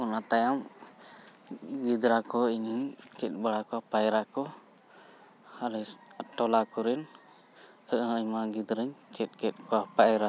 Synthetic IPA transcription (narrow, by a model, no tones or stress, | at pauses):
ɔnat̪ajam | ɡid̪ɾakɔiɲəɲt͡ʃɛt̪̚ˀbaɽakɔapajɾakɔ | halɛsʈɔlakɔɾɛn | əʔhə̃əɲmaɡid̪ɾəɲt͡ʃɛt̪̚kɛt̪̚kʰɔwapajɾa